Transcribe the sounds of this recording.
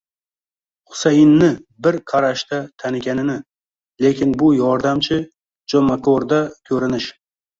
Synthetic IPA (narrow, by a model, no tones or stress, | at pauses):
χʊ̥sajɪnːɪbɪɾqʰɑɾaʃt̪at̪ʰanɪɡʲanɪnɪ | le̞kʲʰɪnbʊjɒɾd̪amt͡ʃʰɪ | d͡ʒomakoɾd̪akʲʰɵɾɪnɪʃ